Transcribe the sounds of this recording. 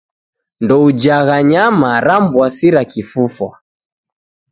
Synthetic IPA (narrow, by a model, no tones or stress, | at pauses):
ndɔud͡ʒaɣaɲamaɾambwasiɾakifufwa̰